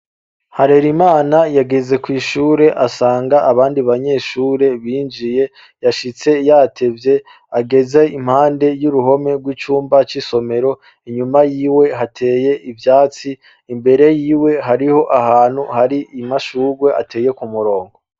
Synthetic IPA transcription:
haɾe̞ɾimaːnajaɡeze̞kwiːʃuːɾe̞ʔasaːŋɡaʔaβaːndiβaɲe̞ːʃuːɾe̞βiːnd͡ʒije̞ | jaʃit͡se̞jaːtʰe̞vje̞ | aɡe̞ze̞im̥haːnde̞juɾuɦo̞me̞ɡwit͡ʃuːmbat͡ʃiso̞me̞ɾo̞ | iɲumajiːwe̞ɦatʰe̞ːje̞ʔivjaːt͡siː | mbe̞ɾe̞jiːwe̞ɦaɾiho̞ʔaɦaːn̥huhaɾiimaʃuːɡwe̞ʔa̰tʰe̞ːje̞kumuɾo̞ːŋɡo̞

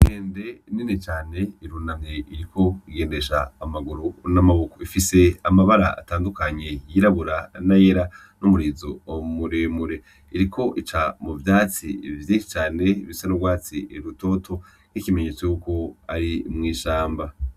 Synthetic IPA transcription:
heːnde̞ninet͡ʃaːne̞iɾunaŋ̥heiɾikʰo̞iɡe̞ːnde̞ʃaːmaɡuɾunamaβukoifise̞amaβaɾa̰a̰taːndukaɲe̞jiɾaβuɾanaje̞ɾa | nomuɾiːzoomuɾemuɾe̞ | iɾikʰo̞ʔit͡ʃamuvjaːt͡sḭvjeʃi̥t͡ʃaːne̞iβisenoɡwaːt͡siɾuto̞tʰo̞ | n̥ikime̞ɲet͡sojuko̞aɾimŋiːʃaːmba

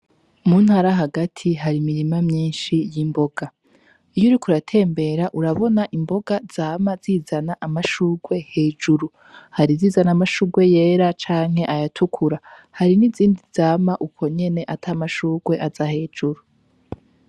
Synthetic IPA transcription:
muːn̥haɾaɦaɡatʰiɦaɾimiɾimamɲiːnʃijimbo̞ɡ̥a | ijoɾikuɾatʰe̞ːmbe̞ɾaʔuɾaβo̞naʔimbo̞ɡaz̥aːmaziːzanaʔamaʃuːɡwe̞he̞ːd͡ʒuɾu | haɾiziːzanamaʃuːɡwe̞je̞ːɾat͡ʃaːŋ̥he̞ʔajatʰukʰuɾa | haɾiniziːndizaːmaʔukʰo̞ɲe̞ne̞ʔatʰamaʃuːɡwe̞ʔazahe̞ːd͡ʒuɾu

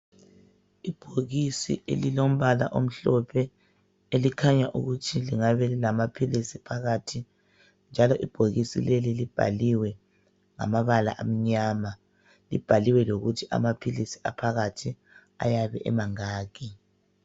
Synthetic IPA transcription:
ib̥ʱoɣisḭʔḛlilom̩βala̰ʔom̩ɬɔpʰɛ | elikʰaɲaʔṵɣutʰiliŋaβɛlilamapʰilisipʰaɣatʰi | nd͡ʒʱalɔʔib̥ʱoɣisḭlelilib̥ʱa̰liwɛ | ŋa̰maβala̰ʔa̰m̩ɲama | lḭb̥ʱaliwɛloɣutʰiʔa̰mapʰilisi̥a̰pʰaɣatʰi | a̰jaβɛ̰ʔɛ̰maŋaːɣi

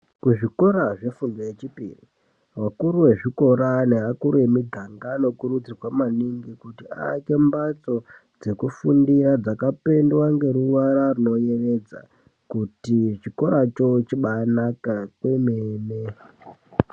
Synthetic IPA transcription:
kuʐiko̞ɾaʐe̞fundojet͡ʃipḭrḭ | wakuɾuwe̞ʐiko̞ɾaneɦakuɾue̞midʱaŋɡano̞kuɾud͡zirwamaniŋɡikutia̰ːke̞mbat͡so̞ | d͡ze̞kufundiɾad͡zakape̞ndwaŋɡe̞ɾuwaɾaruno̞je̞re̞d͡za̰ | kutit͡ʃiko̞ɾat͡ʃo̞t͡ʃiɓanakakwemeːne

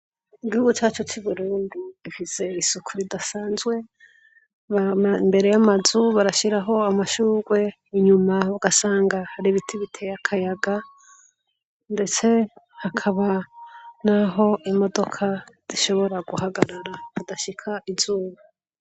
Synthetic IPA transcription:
iɡihuɡut͡ʃaːt͡ʃut͡ʃuβuɾuːndiifise̞isukʰuɾidasaːnzɡwe̞ | βambe̞ɾe̞jamazuβaɾaʃiɾaɦo̞amaʃuːɡwe̞ | iɲumauɡ̥asaːŋɡahaɾiβitʰiβitʰejakʰajaɡa | nde̞t͡se̞hakʰaβa | naɦo̞ʔimo̞do̞kʰaz̥iʃo̞βo̞ɾaɡuhaɡaɾaɾakudaʃikʰaʔizuːβa

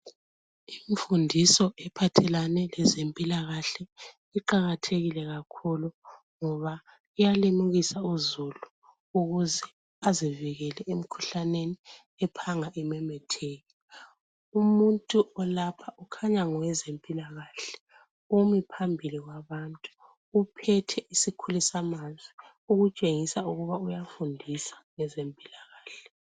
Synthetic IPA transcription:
iɱfundʱisɔʔɛpʰatʰɛlanɛlɛzempʼilaɣaɬɛ | iǃaɣatʰeɣilɛɣakʰulu | ŋɔβa | ijalimuɣisauzulu | uɣuzɛ | aziviɣɛlɛem̩kʰu̥ɬaneni | ɛpʰaŋaʔɛmɛmɛtʰeːji | umuntʼuɔlapʰaʔukʰaɲaŋɔwɛzempʼilaɣaɬɛ̥ | umipʰambʱiliɣwaβantʼu̥ː | pʰɛtʰɛʔisikʰulisamand͡zʱi | uɣut͡ʃʼeŋisauɣuβaujafundʱisḁŋɛzempʼilaɣaːɬɛ̥

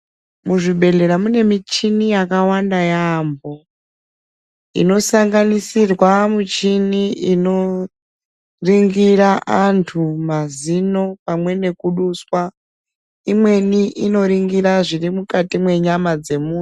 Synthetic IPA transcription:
muʐiɓe̞ɮe̞ɾamune̞mit͡ʃinijakawandajaːmbo | ḭno̞saŋɡanisirwamut͡ʃiniino̞ | riŋɡiɾaʔantʰumazino̞pamwe̞ne̞kuɗuswa | imwe̞niʔino̞ɾiŋɡiɾaʐiɾimukatimwe̞ɲamad͡ze̞muːn

